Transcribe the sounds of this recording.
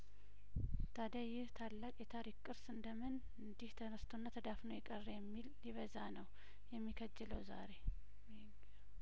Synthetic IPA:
t̪ʰəd̪əjɪht̪ʰalːakʼjɛt̪ʰaɾikkʼːɨɾsɨnd̪əmɨn | ɨnd̪iht̪ʰənəst̪ʰonːat̪ʰəd̪afnəwjɛkʼərːjɛmːilːiβəzanəw | jɛmːikʰəd͡ʒːɛləwza̰ɾe̞

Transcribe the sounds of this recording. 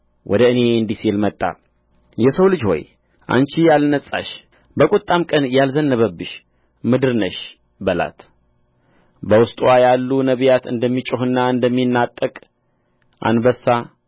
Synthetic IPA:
wʔɔ̰d̪əɨne̞ɨnd̪iselmət̪ʼːa̰ | jɛsəwlɨd͡ʒho̞̰j | ʔa̰nt͡ʃijalnəsʼa̰ʃ | bəkʼut̪ʼːamkʼənjalzənːəβəbːɨʃ | mɨd̪ɨɾnəʃ | bəla̰t̪ | bəwʊst̪ʼwajalːunəβjat̪ɨ̰nd̪əmːit͡ʃʼʊɦɨnːaɨnd̪əmːinːat̪ʼːəkʼ | ʔa̰nbəsːa

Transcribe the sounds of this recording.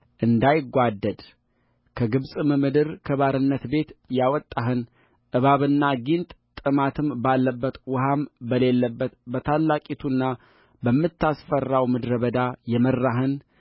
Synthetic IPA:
ʔɨnd̪ajɪɡʷad̪ːəd̪ | kʰəɡɨβsʼɨmɨmɨd̪ɨɾkʰəβaɾɨnːət̪be̞t̪jawɔt̪ʼːaɦɨn | ʔɨβaβɨnːaɡint̪ʼt̪ʼɨmat̪ʰɨmbalːəbːət̪wʊɦambəle̞lːəbːət̪bət̪ʰalːakʼit̪ʰunːa | bəmːɨt̪ːasfərːawmɨd̪ɾəβəd̪ajɛmərːaɦɨn

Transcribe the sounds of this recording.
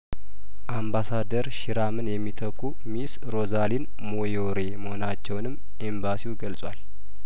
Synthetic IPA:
ʔambasad̪əɾʃiɾamɨnjɛmːit̪ʰəkʰːu | mis | ɾo̞zalin | mojoɾe̞məho̞nat͡ʃːɛwnɨmː | ʔembasiwuɡəlsʼwal

